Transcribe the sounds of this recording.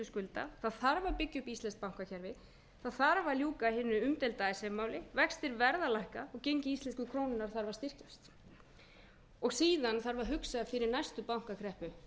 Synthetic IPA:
ʏskʏlt̪a̰θaðθaɾvaɾpɪcːʏpist̪ɛnsk̚pawŋ̥kacʰɛɾvɪ | θaðθaɾvaljuːkahɪnːʏʏmt̪ɪlt̪aːjɪsɛmːawlɪvɛkst̪ɪɾvɛɾðalajhkaɔɣcejɲcɪist̪ɛns̬kʏkʰɾoːwnɪnːaɾ̥θaɾvaɾ̥st̪ɪr̥cast̪ | ɔɣsiːðanθaɾvaɾɦʏksaðfɪɾɪɾnajst̪ʏpawŋ̥kakʰɾɛhpʏ

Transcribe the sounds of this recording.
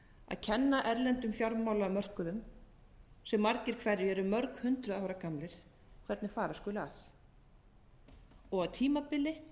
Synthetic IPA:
a̰ðcʰɛnːaʔɛɾlɛnt̪ʏmfjawɾmaːwlaːmœr̥kʏðʏm | sɛmːaɾcɪɾ̥kʰvɛrːɪɛɾʏmœɾkhʏnt̪ɾʏðahɔɾakamlɪɾ̥ | kʰvɛɾt̪nɪfaːɾaskʏːlʏa̰θ | ɔɣaðt̪ʰiːmapɪlːɪ

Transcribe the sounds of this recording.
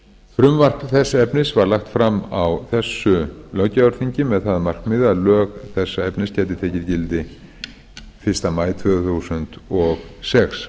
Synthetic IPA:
fɾʏmvar̥t̪θɛsːaɛpnɪsvaɾlaxt̪fɾamawθɛsːʏlœcaœɾθiɲcɪmɛðθaðamar̥kmɪðalœːɣθɛsːaɛpnɪscɛːt̪ɪt̪ʰɛːcɪɾcɪlt̪ɪ | fɪr̥st̪amaːjt̪ʰvœːɣθusʏnt̪ɔɣsɛks

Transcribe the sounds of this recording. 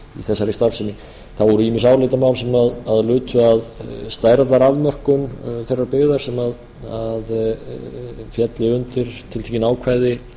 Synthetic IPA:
ḭθɛsːaɾist̪aɾfsɪnːɪ | θavɔɾʏimɪsaːwlet̪amawlsɛmaðaðlʏːt̪ʰʏaðst̪aːjɾat̪aɾaðmœr̥kʏnθɛrːaɾpɪɣðaɾ̥sɛmað | að | fjɛt̪lɪʏnt̪ɪɾ̥t̪ʰɪlt̪ʰɛcɪnaːwkʰvaːjðɪ

